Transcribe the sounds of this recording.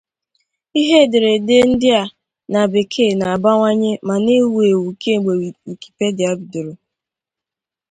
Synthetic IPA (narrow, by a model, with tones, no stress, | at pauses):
i˦ɦe˦˨de˨ɾe˨de˦n̩˦dɪ˦a˦ | na˨be˨kʰe˦˨na˨a˨ba˦ŋʷa˦ɲe˦ma˨ne˦wu˨e˨wu˨ke˦˨ɡ͡be˨ŋ̩˨ki̥˨pe˦dɪ˨a˨˦bi˨do˨ɾo˨